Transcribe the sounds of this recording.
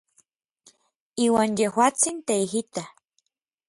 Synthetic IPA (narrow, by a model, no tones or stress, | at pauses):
iwanjehwat͡sint̪eiɦit̪a